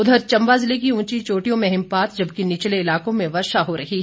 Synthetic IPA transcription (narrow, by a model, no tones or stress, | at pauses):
ʊd̪ʱəɾt͡ʃɐ̃mbaːzɪlek̬iũːt͡ʃit͡ʃoːʈijõmẽɦɪmpaːt̪d͡ʒɐb̚kinɪt͡ʃleɪlaːkõmẽʋɐɾʃaɦoɾɐɦi